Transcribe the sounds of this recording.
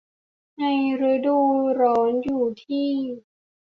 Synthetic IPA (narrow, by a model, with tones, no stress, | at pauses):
na˧jɾɯː˧duː˧˩ɾɔː˩˦njuː˨˩t̪ʰiː˥˩